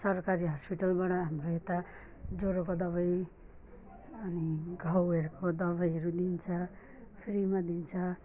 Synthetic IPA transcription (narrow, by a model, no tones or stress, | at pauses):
sʌrkaɾiɦʌspiʈʌlbaɽʌɦamroet̪a | d͡zoɾokod̪ʌβʌj | ʌniɡʱʌwerkod̪ʌβʌjɦʌɾud̪int͡sʰʌ | pʰɾimad̪int͡sʰʌ